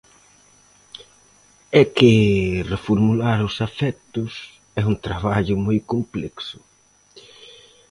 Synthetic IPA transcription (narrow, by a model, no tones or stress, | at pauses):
ɛkɪrefoɾmulaɾʊsafɛt̪ʊs | ɛuŋt̪ɾaβaʎʊmojkomplɛksʊ̥